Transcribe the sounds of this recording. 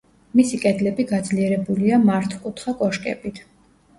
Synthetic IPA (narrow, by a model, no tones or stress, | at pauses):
misikʼɛd̪lɛbiɡad̪zliɛɾɛbuliamaɾt̪ʰwkʼut̪ʰχakʼɔʃkʼɛ̰bit̪ʰ